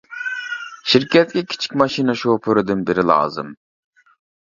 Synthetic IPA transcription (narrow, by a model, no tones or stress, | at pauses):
ʃiɾkʲʰɛt̪̚kʲɛkʲʰi̥t͡ʃʰi̥kʲmɑʃinɨʃopʰøɾɪd̪ɪnbɪɾɪlˠɑ̰ːzɨ̰m